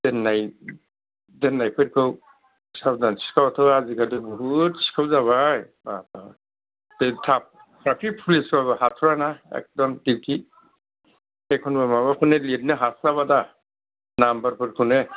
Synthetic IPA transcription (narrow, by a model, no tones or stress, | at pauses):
dɛnːaj | dɛnːajpʰeɾkʰɯw | sab̚dansʰi̥kʰawatʰɔwazikʰadɯbɔɦut̚si̥kʰawzaβajbata | tetʰap̚ʰ | ɾapʰipʰulisaβaɦatʰɔɾanaɛ̰k̚dɔntiki | ekʰɔnbamabakʰɔnelit̚nɯɦaslaβada | nambaɾpʰɯɾkʰɯne